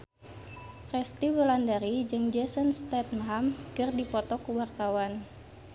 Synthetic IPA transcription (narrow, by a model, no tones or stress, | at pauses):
fɛst̪iwəlandaɾid͡ʒɨŋd͡ʒɛsənst̪ɛt̪̚mɦamkɨrdipɔt̪ɔkuwarkawan